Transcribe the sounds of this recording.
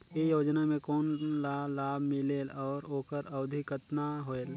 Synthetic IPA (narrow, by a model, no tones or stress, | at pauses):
ejoːd͡ʒnamẽkoːnlalaːbʱmɪlelɔːɾoːkəɾɐwd̪ʱɪkət̪naɦoel